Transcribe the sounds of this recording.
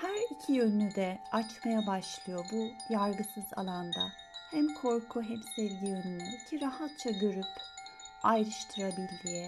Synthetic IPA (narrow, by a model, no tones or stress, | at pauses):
hæɾicʰijønyd̪ɛat͡ʃmajabaʃlˠɯjo̞bujaɾɡɯsɯza̰lˠand̪a̰ | hɛmkʰo̞ɾkʰuɦɛmsɛvɟijønynyicʰiɾaɦat̪̚t͡ʃʰaɟø̞ɾyp | ajɾɯʃt̪ʰɯɾabilʲːijɛ